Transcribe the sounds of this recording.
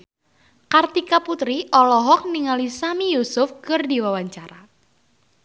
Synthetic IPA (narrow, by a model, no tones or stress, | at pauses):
kart̪ikaput̪ɾiʔɔlɔɦɔk̚niŋalisamijusʊfkɨrdiwawaɲt͡ʃaɾa